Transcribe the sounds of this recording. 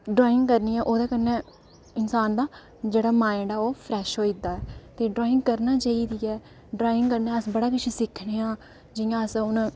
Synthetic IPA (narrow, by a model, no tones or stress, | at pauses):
ɖɾaːɪ̃ŋɡkəɾniːɛːʔoːd̪aːkənːɛ̃ː | ɪnsaːnd̪aː | d͡ʒeːɽaːmaːɪɳɖaːoːpʰɾɛːʃɦoːid̪aːɛːt̪eːɖɾoːɪŋɡkəɾnaːt͡ʃaːiːd̪iːɛː | ɖɾaːɪ̃ŋɡkəɾnɛ̃ːəsbəɽaːkɪt͡ʃʰiːsɪkʰneːãː | d͡ʒɪjãːəsʊnː